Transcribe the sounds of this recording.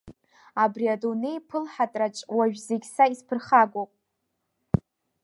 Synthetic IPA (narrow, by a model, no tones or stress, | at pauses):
abriadonejpʰɨlħatʼrat͡ʃʼwaʒᶣzeɡʲsaispʰɨrχaɡʷowpʼ